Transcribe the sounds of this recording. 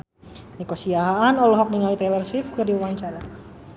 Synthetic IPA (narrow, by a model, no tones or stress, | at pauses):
nikosiaɦaːnɔlɔɦɔk̚niŋalit̪ɛlɛrswɪfkɨrdiwuwaɲt͡ʃaɾa